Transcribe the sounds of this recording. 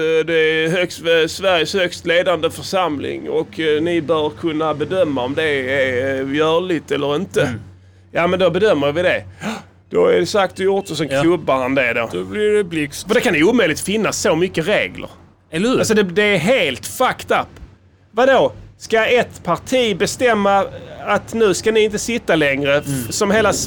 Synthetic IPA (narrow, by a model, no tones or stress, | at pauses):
d̪ɛɦœkst̪ɛsvæɾjəshœkst̪leːd̪and̪əfœɾʂamlɪ̰ŋɔknɪbœːɾkʰɵnːabɛd̪œmːaɔmd̪ɛæɾjœːɭɪt̪ɛlːəɾɪnt̪ə | jaːmɛnd̪ɔbɛd̪œmːəjvɪd̪ɛ | d̪̥ɔɛ̰dɛsakt̪d̪əjʊɾt̪ɔs̬ɔmkʰlɵbːahand̪ɛd̪o̰ːblɪɾɛblɪfəɾd̪ɛkʰanɛuːmœʏlɪkt̪fɪnːasomʏkːəɾḛːɡlə̰ɾ | lːalsɔd̪ɛd̪ɛːɾɦeːlt̪fakt̪apː | vad̪oskaɛt̪pʰaɾʈʰiːbɛst̪ɛmːaat̪nʉ̟ːskanɪɪnt̪əsɪt̪ːalɛŋɾəsɔmɦeːlas